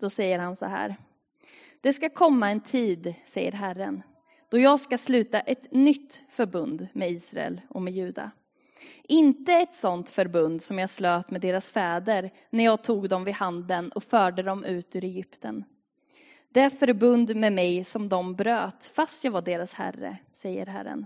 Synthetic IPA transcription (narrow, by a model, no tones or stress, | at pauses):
d̪̥ɔsɛjːəɾhansɔ̰ɦæ̰ːɾ | d̪̥ɛskakʰɔmːaɛnt̪ʰiːd̪sɛjːə̰ɾɦærːən | d̪̥ɔjɑːɡskaslʉ̟ːt̪aʔɛt̪nʏt̪ːfœɾbɵnd̪mɛiːsɾa̰ɛ̰lɔmɛjʉ̟ːd̪a̰ | ʔɪnt̪əɛt̪sɔnt̪fœɾbɵnd̪sɔmjɑsløːt̪mɛd̪eːɾasfɛːd̪əɾ | næɾjɑːɡ̚t̪ʰuːɡd̪ɔmvɪhand̪ənɔfœːɖəd̪ɔmʔʉ̟ːt̪ʉ̟ːɾɛjʏpt̪ʰən | d̪̥ɛæfœɾbɵnd̪mɛmɛjsɔmd̪ɔmbɾøːt̪fast̪jɑːɡvaɖeːɾashæ̰rːə̰sɛjːə̰ɾɦæ̰ɾːə̰n